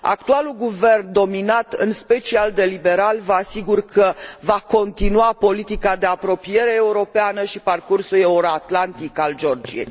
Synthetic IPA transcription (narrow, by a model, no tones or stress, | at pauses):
a̰kt̪ualuɡuve̞rnd̪o̞minat̪ɨ̰nspe̞t͡ʃiald̪e̞libe̞ɾalvəasiɡurkʰəvako̞nt̪inuapo̞lit̪ikad̪e̞apɾo̞pije̞ɾe̞ːuɾo̞peanəʃiparkursule̞uɾoat̪lant̪ikald͡ʒo̞rd͡ʒḭjḛj